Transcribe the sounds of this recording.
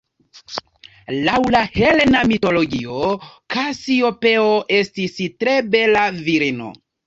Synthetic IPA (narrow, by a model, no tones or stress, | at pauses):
lawlahelnamito̞lo̞ɡio̞kʰasio̞pe̞oʔe̞stistɾe̞be̞laviɾino̞̰